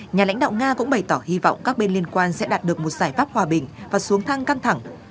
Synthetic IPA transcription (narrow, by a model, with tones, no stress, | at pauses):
ɲaː˨la̰˧˥ŋɗ̰wŋ͡mŋaː˧kʊ̰˧˥ŋ͡mɓə˨˩jt̪ɔ˧˩hi˧vɔ̰˧˨wŋ͡mkaː˦˥k̚ɓe˧nli˧ənkwaː˧nsɛ̰˧˥ɗaː˨˩t̚ɗɨ˨˩ək̚mo˨˩t̚z̥aː˧˩jfaː˦˥p̚hwaː˨˩ɓï˨˩ŋ̟vaː˨˩su˨˦əŋt̪ʰa˧ŋka˧ŋt̪ʰa˧˩ŋ